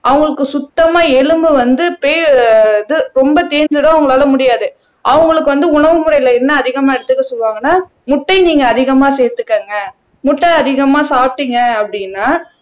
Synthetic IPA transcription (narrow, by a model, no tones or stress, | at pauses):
ʔɐʋɐŋɡɐɭɯkːɯsʊt̪ːɐmaːɛɻɯmbɯʋɐnd̪ɯpejnd̪ɯɾɔmbɐt̪eːɾɲd͡ʒɯɽõːɐʋɐŋɡɐɭaːlɐmʊɽɪjaːðɯ | ʔɐʋɐŋɡɐɭɯk̬ːɯʋɐnd̪ɯʊɳɐʋɯmʊɾɐɪjlɐɛnːɐːðɪɣɐmaːɛɽɯt̪ːɯkːɐsɔlʋaːŋɡɐnːaː | mʊʈːɐɪniːŋɡɐːðɪɣɐmaːseːɾt̪ːɯkːeːŋɡɐ | mʊʈːɐɪɐðɪɣɐmaːsaːp̚ʈːɪŋɡɐɐpːɐɽɪnːaː